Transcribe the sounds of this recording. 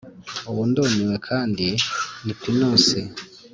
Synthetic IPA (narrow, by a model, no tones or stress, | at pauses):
uβundoniwekʰaːndinipinosi